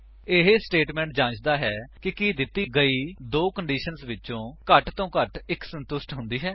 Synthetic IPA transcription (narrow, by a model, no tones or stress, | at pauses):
ɪɦesʈeːʈmɛ̃ːɳʈ̚d͡ʒãːt͡ʃd̪aːɦɛːkɪkiːd̪ɪt̪ːiːɡəiːd̪oːkəɳɖiːʃənsʋɪtːt͡ʃõːkəʈt̪õːkəʈɪksənt̪ʊsʈɦʊnd̪iːɦɛː